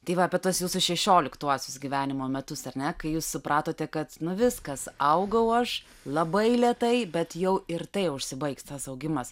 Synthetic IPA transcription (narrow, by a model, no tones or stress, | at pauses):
t̪ɐɪʋɐɐpʲiɛt̪uɔsjuːsʊʃʲɛʃʲoːlʲɪkt̪uɔsʲʊsɡʲiʋʲæːnʲɪmoːmʲɛt̪ʊsɐrnʲɛkɐɪjuːssʊpɾɑːt̪oːt̪ʲɛkɐt̪nʊʋʲɪskɐsɐʊɡɐʊɐʃ | lˠɐbɐɪlʲɛt̪ɐɪbʲɛt̪jɛʊɪrt̪ɐɪʊʃʲsʲɪbɐɪkst̪ɐsɐʊɡʲɪmɐs